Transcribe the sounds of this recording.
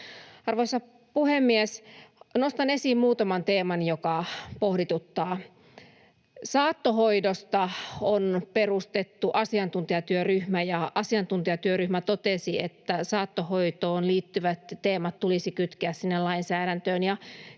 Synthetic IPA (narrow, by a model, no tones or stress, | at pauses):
ɑrʋoisɑ | puhemːiesnost̪ɑnesiːmmuːt̪ɑmɑnt̪eːmɑnjokɑpohdit̪ut̪ːɑː | sɑːt̪ːoɦoidost̪ɑonperust̪et̪ːuʔɑsiɑnt̪unt̪iɑt̪yøryhmæjɑɑsiɑnt̪unt̪iɑt̪yøryhmæt̪ot̪esiet̪ːæsɑːt̪ːohoit̪oːnliːt̪ːyʋæt̪t̪eːmɑt̪tulisikyt̪keæssinːelɑinsæːɾænt̪øːnjɑ